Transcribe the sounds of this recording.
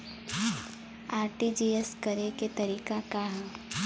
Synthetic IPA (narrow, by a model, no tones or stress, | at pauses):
aːɾʈid͡ʒiːeskɐɾeket̪ɐɾiːkakaɦã